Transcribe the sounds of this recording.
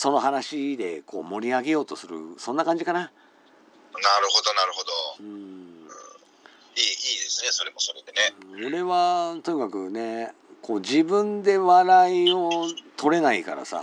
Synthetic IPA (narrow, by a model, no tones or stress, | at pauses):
so̞no̞ɦanaɕid̪e̞ko̞ːmo̞ɾʲiaɡe̞jo̞ːt̪o̞sɨɾɯ̰sõ̞nːakãɲ̟d͡ʑikana | naɾɯ̟ho̞d̪o̞naɾɯ̟ho̞d̪oɯ̃ːɯ̰̃ | iːiːd̪e̞sɨne̞so̞ɾe̞mo̞so̞ɾed̪ene̞ɯ̃oɾe̞βat̪o̞ɲ̟ikakɯ̟ne̞ | ko̞ːd͡ʑibɯ̟̃nd̪e̞βaɾaio̞t̪ʰo̞ɾe̞naika̰ɾa̰sa̰